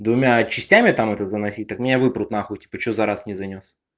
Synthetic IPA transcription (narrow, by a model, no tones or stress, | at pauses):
d̪vʊmʲat͡ɕɪsʲtʲæmʲɪt̪amɛt̪əzənɐsʲitʲt̪akmʲɪnʲavɨpɾʊt̪naxutʲi̥pət͡ɕozɐɾasnʲɪzɐnʲos